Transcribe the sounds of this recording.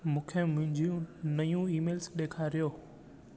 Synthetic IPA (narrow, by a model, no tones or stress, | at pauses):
mũːkʰemʊ̃ɦɪ̃ɲd͡ʑũnɐjũiːmeːlsɗeːkʰaɾijoː